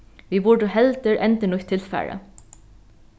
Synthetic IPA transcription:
ʋiːbʊɖəɦɛlt̪əɹʔɛnt̪ənʊçt̪ʰːɪlfæ̰ːɹə̰

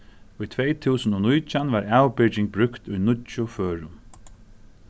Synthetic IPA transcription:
ʊjt̪ʰʋɛjt̪ʰuːsənɔnʊjt͡ʃanʋaɹaːwpɪt͡ʃɪŋk̚bɾʏkt̪ʊjnʊt͡ʃʊføːɹʊm

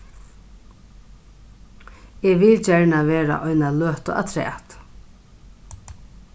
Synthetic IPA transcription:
ɛʋɪlt͡ʃɛɹɳaʋeːɾa̰ʔɔjnaløːht̪ɔ̰ʔa̰t̪ʰɾɛ̰ːht̪

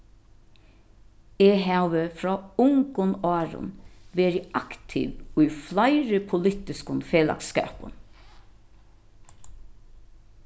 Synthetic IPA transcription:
eːɦæʋəfɹɔːʊŋkʊnɑːɹʊ̰nʋeːɹɪakt̪ʰɪ̰ʋʊjflaɪɾəpʰʊlɪt̪ɪskʊnfeːla̰kskæ̰ːpʊ̰n

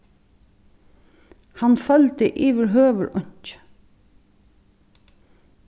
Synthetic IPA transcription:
hɑnfœlt̪əʔiːʋəɹɦøːʋəɹʊɲ̥t͡ʃ

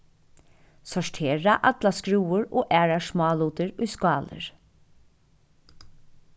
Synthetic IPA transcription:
sɔʂtʰeːɹaʔa̰t̪laskɹuːʊɹoːʔæːɹaʂmɑːluːt̪əɹʊjskɑːlə̰ɹ

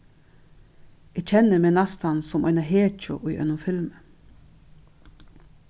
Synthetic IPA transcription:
ec͡çʰɛnəmeːnɑst̪ɑnsɔmʔɑ̰ɪnɑɦeːt͡ʃɔ̰ʔuːʔœ̰nʊmfɪlmə

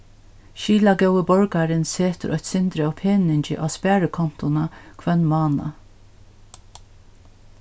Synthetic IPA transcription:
ʃiːlaɡɛwəbɔɹkaɾɪnseːt̪ə̰ʔɔ̰çt̪sɪnt̪ɾɪawpʰeːnɪɲt͡ʃɪ̰ʔaːspæːɹəkʰɔn̥t̪ʊnakʰvɛnːmɑːna̰

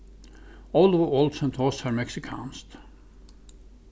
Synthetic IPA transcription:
ɔlˠɔvəɔːlˠd̪sɛ̃ntʰɔshaɹmɛksɪkʰã̰ːnst̪

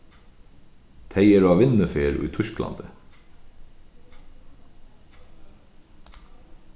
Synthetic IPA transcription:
t̪ʰɛɪəɾɑːʋɪnəfeːɾʉ̰ːt̪ʰʉʃklɑ̰nd̪ə

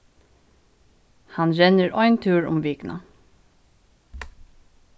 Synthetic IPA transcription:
hɑnɹɛnəɹʔɔʏnt̪ʰʉːɹʊ̰mʋiːknʔɑ̰

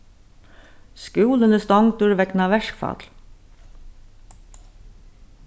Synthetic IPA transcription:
skʉːlənəst̪ɔŋt̪ʉːɾʋɛknɑʋɛʃkfɑ̰ːt̪l

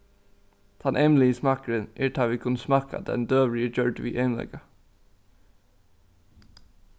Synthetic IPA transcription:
t̪ʰɑnʔɛmlɪəsmɑkəɹənʔeːʈʰɑːʋiːkʰʉnsmɑkɑ̰d̪ɛ̰nd̪øːʋlɪəd͡ʒœɹɖʋiːʔeɪmlɛ̰ɡɑ

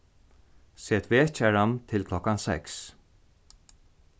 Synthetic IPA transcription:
seːt̪ʰveːt͡ʃɛɾant̪ʰɪlkʰlɔkːansɛ̰ks

